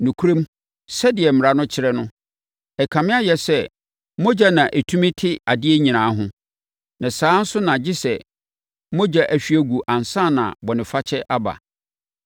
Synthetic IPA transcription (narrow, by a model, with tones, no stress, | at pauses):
nũ˨kʰu˦ɾẽ˦m | sɛ˦dɪ˨ɛ˨m˨ɾa˦nʊ̃˦t͡ɕʰɪ˦ɾɛ˦nʊ̃˦ | ɛ˨kʰã˨mɪ̃˦a˦jɛ˨sɛ˦ | mɔ̃˦d͡ʑa˦nã˨ʔæ˨tʰu˦mĩɪ̃˦tʰɪ˦a˨dɪ˦ɛ˦ɲĩ˨nãː˨˦ɦʊ̃˦ | nã˨sãː˨˦n̩˦sʊ˦nã˨d͡ʑɪ˦sɛ˨ | mɔ̃˦d͡ʑa˦ʔæ˨ɕᶣɥæ˦ɡu˨ʔã˨n˨sã˦˨nã̰˨bɔ˨nɪ̃˨fa˦t͡ɕʰɛ˦ʔa˦ba̰˨